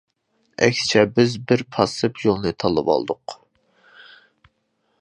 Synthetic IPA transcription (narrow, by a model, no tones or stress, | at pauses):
ɛ̰kʲst͡ʃʰɛbɪzbɪɾpʰɑsɨpʰjolˠnɨt̪ʰɑlˠɨpɑ̰lˠd̪ʊq